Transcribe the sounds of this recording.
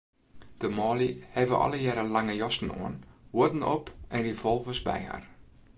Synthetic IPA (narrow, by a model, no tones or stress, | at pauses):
d̥əmɑːlihɛvə̰ʔɑ̰ləjɛɾəlaŋəjɔstn̩o̰ənʋuətn̩ɔ̰pɛndifɔlˠvʋəsbɛ̰jɦa̰r